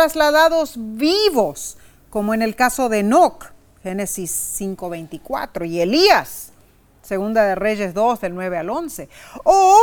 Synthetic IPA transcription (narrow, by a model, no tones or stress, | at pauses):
ɾazlaðaðo̞zβiβo̞s | ko̞moene̞lkaso̞ðe̞nok | xe̞ne̞sisːiŋko̞βe̞jnt̪ikwa̰t̪ɾo̞ie̞liasː | e̞ɣund̪aðe̞re̞ʝe̞zðo̞zðe̞lnwe̞βealo̞nse̞o